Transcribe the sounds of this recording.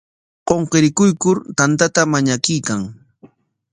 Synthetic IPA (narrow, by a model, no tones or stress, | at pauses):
qoɴqeɾɪkʊjkʊɾt̪ant̪at̪amaɲakɪjkaŋ